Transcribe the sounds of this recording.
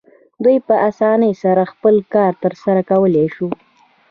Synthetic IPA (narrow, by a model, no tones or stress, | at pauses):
d̪ujpəʔasɑnəjsaɾaxpəlkɑɾt̪əɾsaɾakawəleʃu